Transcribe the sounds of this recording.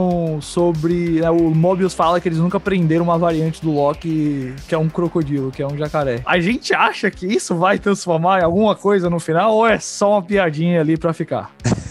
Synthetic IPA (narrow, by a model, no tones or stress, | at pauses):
sobɾɪnɛʊmɔbiʊsfalɐkɪelɪznũkɐpɾẽnd̪eɾɐ̃ũmɐvaɾiɐ̃nt͡ʃɪ̥d̪ʊlɔkɪkɪɛũkɾokod͡ʒilʊkɪɛũʒakaɾɛa̰ʒẽnt͡ʃɪaʃɐkɪisʊvajt̪ɾɐ̃sfoɾmaɾawɡũmɐkojzɐnʊfinawoɛsɔũmɐpiad͡ʒĩɲɐalipɾɐfika̰